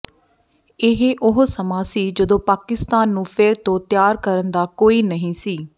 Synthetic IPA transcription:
ɪɦeʔʊɦsəmaːsiːd͡ʒəd̪õːpaːkɪst̪aːnːũːpʰɪɾt̪õːt̪jaːɾkəɾənd̪aːkoːiːnəɦĩːsiː

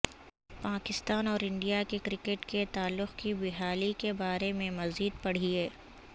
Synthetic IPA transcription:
paːkɪst̪aːnɔːɾɪ̃ɳɖijakekɾɪkeʈket̪aːlːʊxkibɪɦaːlikebaːɾemẽmɐziːd̪̚pɐɽ̤iɛː

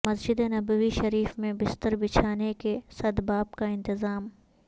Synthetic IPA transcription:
mɐsd͡ʒɪd̪enɐbəʋiʃɐɾiːfmẽbɪst̪əɾbɪt͡ʃʰaːnekesɐd̪baːbkaɪ̃nt̪ɪzaːm

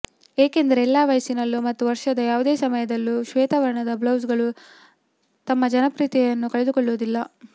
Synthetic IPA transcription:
eːke̞nd̪ɐɾeːlːaːʋɐjsinɐlːumɐt̪ːuʋɐɾʂɐd̪ɐjaːʋud̪eːsɐmɐjɐd̪ɐlːuʃʋɛːt̪ɐʋɐɾɐɳɐd̪ɐblɐwsɡɐɭu | t̪ɐmːɐd͡ʒɐnɐpɾiːt̪ijɐnːukɐɭed̪ukoɭːuːd̪ilːɐ

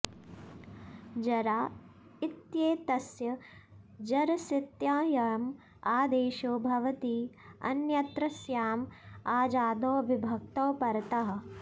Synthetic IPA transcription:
d͡ʒɐɾaː | it̪jeːt̪ɐsjɐ | d͡ʒɐɾɐsit̪jaːjɐɻɐm | aːd̪eːʃoːbʱɐʋɐt̪iː | ɐ̰njɐt̪ɾɐsjaːmaːd͡ʒaːd̪oːʋibʱɐk̚t̪oːpɐɾɐt̪ɐɦɐ̆

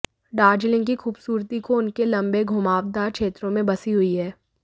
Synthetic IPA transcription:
ɖaːɾd͡ʒlɪ̃ŋɡkixuːbsuːɾt̪ikoʊnkelɐ̃mbeɡʱʊmaːʋd̪akʃʰeːt̪ɾõmẽbɐsiɦʊiɦɛː

